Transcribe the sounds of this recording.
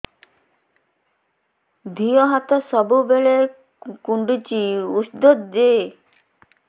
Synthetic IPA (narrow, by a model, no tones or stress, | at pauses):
d̪ʱiɔɦat̪ɔsɔbubeɭe | kuɳɖit͡ʃiusd̪od̪d͡ʒe